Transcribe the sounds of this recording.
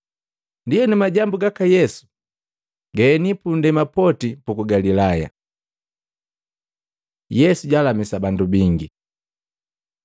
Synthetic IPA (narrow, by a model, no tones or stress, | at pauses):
ndijɛnumaɟambuɡakajɛsu̥ | ɡɛːnipundɛmapɔtipukuɡalilaja̰ | jɛsuɟalamisabandubiŋɡi